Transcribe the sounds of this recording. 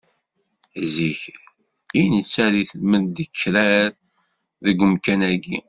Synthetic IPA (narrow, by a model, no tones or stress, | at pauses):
ziç | inət͡sːæɾiθəlmənd̪əkʰːɾæɾ | ðəɡəmkænæɡi